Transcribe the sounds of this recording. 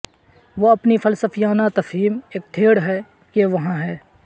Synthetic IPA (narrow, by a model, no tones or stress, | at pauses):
ʋoɐpnifɐlsəfijaːnat̪ɐfɦiːmeːk̚t̪ʰeːɽɦɛ | keʋɐɦãɦɛː